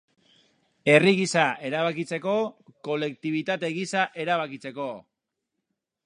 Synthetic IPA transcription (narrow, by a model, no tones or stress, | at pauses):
e̞riɣisaʔe̞ɾaβakit͡se̞ko̞ko̞le̞k̚t̪iβ̞it̪at̪e̞ɣisaʔe̞ɾaβakit͡se̞ko̞